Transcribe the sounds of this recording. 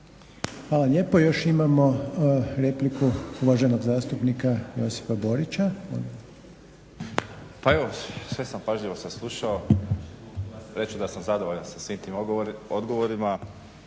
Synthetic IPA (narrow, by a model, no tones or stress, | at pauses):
xʋaːlaʎe̞ːpo̞jo̞ʃimamo̞ɾe̞plikuuʋaʒeno̞ɡzaːst̪upnikajo̞si̥fabo̞ɾit͡ɕao̰n | paeʋosʋe̞sampaʒʎiʋo̞saslˠuʃao | ɾe̞t͡ʃud̪asamzad̪oʋoʎansasʋiːmt̪iːmod̪ɡoʋoɾima